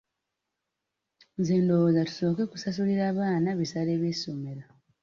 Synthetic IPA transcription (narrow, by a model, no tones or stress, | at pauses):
zeːndo̞wozatu̥so̞ːke̞ku̥sasuɾiɾaːβaːnaβisaɾeːβeːsomeɾa